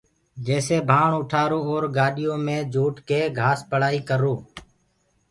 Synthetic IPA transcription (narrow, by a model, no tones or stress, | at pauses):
d͡ʒeːseːbʱaːɳʊʈʰaːɾoːoːɾɡaːɗɪjõːmẽːd͡ʒʱuːʈkeːɡʱaːspəɽaːiːkəɾoː